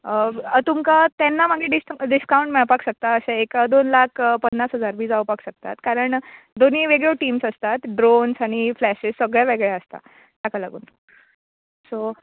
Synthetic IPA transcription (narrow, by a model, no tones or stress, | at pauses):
ət̪umkat̪ɛnːamaɡeɖisɖiskauɳʈmɛɭpakɕək̚t̪aəɕãekad̪onlakʰpənːasɦəd͡zaɾbiːd͡zawpakɕək̚t̪a̰t̪kaɾəɳ | d̪oniːʋeɡɭjoʈiːmsəst̪at̪ɖɾonsaɽ̃iflæɕissəɡɭjaʋeɡɭjaəst̪a̰ | t̪jakalaɡṵːn | so